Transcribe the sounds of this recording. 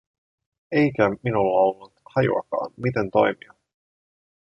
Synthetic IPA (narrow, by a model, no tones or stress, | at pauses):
e̞jk̟æminulːɑo̞lːut̪hɑjṵɑ̰kɑ̰ːnmit̪e̞nt̪o̞̰jmiɑ